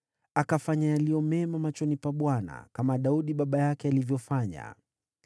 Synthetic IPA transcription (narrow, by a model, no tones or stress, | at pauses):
akafaɲajalijɔmɛmamat͡ʃɔnipaɓwana̰kamaɗauɗiɓaɓajakɛalivjɔfaɲa̰